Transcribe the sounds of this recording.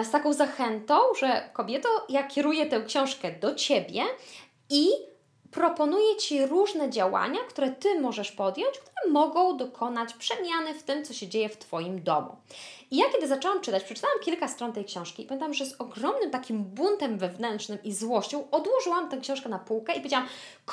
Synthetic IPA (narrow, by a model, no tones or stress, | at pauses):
st̪akɔ̃w̃zaxɛnt̪ɔ̃w̃ʐɛkɔbʲjɛt̪ɔ̃jakʲɛɾujɛt̪ɛ̃w̃kɕɔ̃w̃ʂkɛd̪ɔt͡ɕebʲjɛ | i | pɾɔpɔnujɛt͡ɕiɾuʐnɛd͡ʑawa̰ɲakt̪uɾɛt̪ɘmɔʐɛʂpɔd̪jɔɲt͡ɕkt̪uɾɛmɔɡɔ̃w̃d̪ɔkʰɔnat͡ɕpʂɛmʲjanɘft̪ɘmt̪sɔɕɛd͡ʑejɛft̪fɔjimd̪ɔ̰mṵijakʲɛd̪ɘzat͡ʂɛwamt͡ʂɘt̪at͡ɕpʂɛ̥t͡ʂɨ̥t̪awamkʲilkast̪ɾɔnt̪ɛjkɕɔ̃w̃ʂkʲipamʲẽnt̪awamʐɛzɔɡɾɔmnɘmt̪akʲimbunt̪ɛmvɛvnɛntt͡ʂnɘmizwɔɕt͡ɕɔ̃w̃ɔd̪wɔʐɘwamt̪ɛ̃kɕɔ̃w̃ʂkɛnapuwkɛipɔved͡ʑawamk